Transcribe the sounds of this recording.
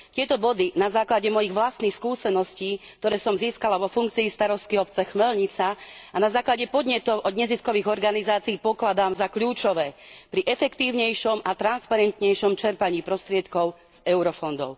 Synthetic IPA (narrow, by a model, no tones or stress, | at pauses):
t̪ɪɛt̪ɔbɔd̪inazaːklaɟɛmɔjiɣʋlast̪nixskuːsɛnɔsciːk̚t̪ɔɾɛːsɔmziːskalaʋɔfuŋk̚t͡siːst̪aɾɔst̪̚kiɔp̚t͡sɛxmɛlɲit͡saanazaːklaɟɛpɔd̪ɲɛt̪ɔʊʔɔd̪ɲɛziskɔʋiːɣɔɾɡanizaːt͡siipɔklad̪aːmzakʎuːt͡ʃɔʋɛːpɾiʔɛfɛkt̪iːʊɲɛjʃɔmat̪ɾanspaɾɛnt̪ɲɛjʃɔmt͡ʃɛɾpaɲiːpɾɔst̪ɾɪɛt̪kɔʊ | z̥ɛʊɾɔfɔnd̪ɔ̰ʊ